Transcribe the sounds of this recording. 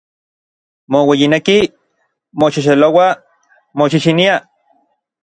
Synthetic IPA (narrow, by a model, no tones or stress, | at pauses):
mowejineki | moʃiʃ̬elowa | moʃiʃinia